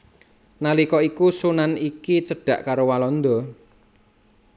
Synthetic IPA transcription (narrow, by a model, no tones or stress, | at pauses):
nalikɔikusunanikit͡ʃəɖ̥ä̤ʔkaɾowalɔnd̪ɔ̤